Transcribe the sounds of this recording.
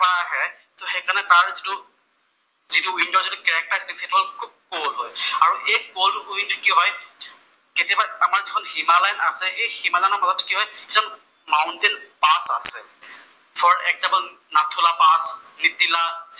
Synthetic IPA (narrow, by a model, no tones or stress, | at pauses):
paɦɛ | tɔxejkanɛtaɹzitʊ | zituwindɔzitʊkɛɹɛk̚taɹstishetuakʰub̚kolɦɔjaɹuʔejkoltʊuintu̥kiɦɔj | ketijabaamaɹzikʰɔnhimalajnasɛhejximalajnamazɔtʰːkiɦɔjkizɔn | mawntenpasa̰sɛ | pʰɔɹɛk̚zabɔl | natʰulapasnitila